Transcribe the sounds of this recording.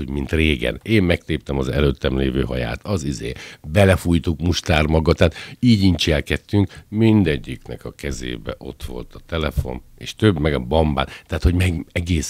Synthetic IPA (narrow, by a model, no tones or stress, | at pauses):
omint̪reːɡɛ̰neːmmɛkt̪eːp̚t̪ɛmɒzɛ̰løːt̪ːɛmleːvøːɦɒja̰ːt̪ɒzizḛːbɛlɛfuːjt̪ukmuʃt̪aːrmɒɡɒt̪ːaːt̪iːɟiɲt͡ʃɛlkɛt̪ːyŋkmind̪ɛɟːiknɛkɒkɛzḛːbɛ̰ʔo̞t̪ʋo̞̰lt̪ɒt̪ɛlɛfo̞̰neːʃt̪øbmɛɡɒbɒmba̰ːnt̪ɛɦaːt̪ho̞ɟmɛɡɛɡeːs